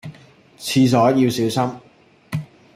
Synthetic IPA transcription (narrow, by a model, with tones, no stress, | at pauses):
t͡sʰiː˧s̬ɔː˨˥ji˧wsiː˨˥wsɐ˥m